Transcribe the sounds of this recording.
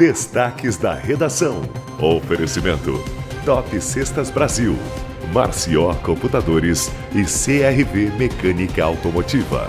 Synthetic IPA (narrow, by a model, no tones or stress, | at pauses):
d̪̥est̪akɪzd̪ɐ̰hed̪asɐ̃w̃ | ofeɾesimẽnt̪ʊ̰t̪ɔpɪsest̪ɐzbɾaziw | ma̰ɾsiɔkõmput̪ad̪oɾɪs | ɪseɛɦivemekɐ̃nikɐawt̪omot͡ʃivɐ̰